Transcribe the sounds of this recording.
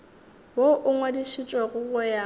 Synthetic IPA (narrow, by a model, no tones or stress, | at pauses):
woʔʊŋwediʃit͡ʃʼwaɣʊɣʊja